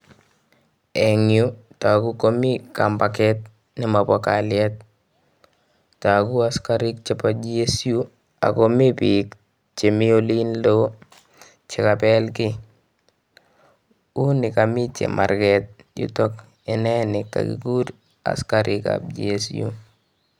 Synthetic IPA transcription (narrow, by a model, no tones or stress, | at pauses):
ɛŋjutakukomikampakɛt̚ | nɪmapɔkalɪat̚ | takuaskaɾɪk̚t͡ʃɛpad͡ʒiesiju | a̰komipik | t͡ʃemɪolinlo | t͡ʃɪkapɛlkɪ | unɪkamit͡ʃḛma̰ɾkɛt̚ | jʊ̰tɔk | ɪnɛnɪkːa̰kḭkuɾ | a̰skaɾʔɪka̰p̚d͡ʒiesjṵ